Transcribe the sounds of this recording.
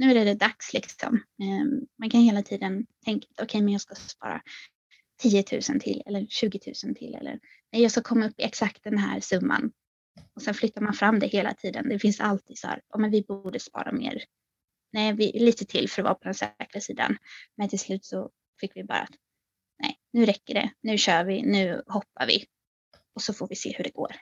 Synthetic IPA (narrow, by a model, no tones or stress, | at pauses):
nʉ̟ːæɖɛd̪ɛd̪akslɪksɔ̰mɛmankʰanheːlat̪ʰiːd̪ənt̪ʰɛŋkat̪ɔkʰɛjmɛnjɑːɡskaspɑ̰ːɾa̰ | t̪ʰiːət̪ʰʉ̟̰ːsənt̪ʰɪ̰lːʔɛ̰lːəɾɕʉ̟ːɡɪt̪ʰʉ̟ːsənt̪ʰɪ̰lːɛ̰lːə̰ɾ | nɛjɑːɡskakʰɔmːaɵpːɪɛksak̚t̪̚d̪ɛnɦæ̰ːɾsɵmːa̰n | ɔsɛnflʏt̪ːaɾmanfɾamːd̪ɛheːla̰t̪ʰiːd̪ənd̪ɛfɪnsalt̪ʰiːd̪shæ̰ːɾɑmɛnvɪbuuːɖəspɑ̰ːɾʔa̰mḛːɾ | nɛvɪliːt̪ət̪ʰɪlːfœɾɔvɑ̰ːpʰɔd̪ɛnsɛ̰ːkɾasiːd̪a̰nmɛnt̪ʰɪlslʉ̟ːt̪sɔ | fɪkːvɪbɑ̰ːɾa̰at̪ | nɛ̰ɪnʉ̟ːɾɛkːəɖɛ̰nʉ̟ːɕœːɾvɪnʉ̟ːhɔpːaɾvɪ̰ | ɔsɔfoɾvɪsḛːhɵɖɛɡo̰ːɾ